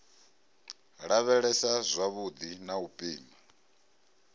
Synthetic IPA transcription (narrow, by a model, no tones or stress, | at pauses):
ɺaβɛɺɛsazʷaβud̪inaupʼiːma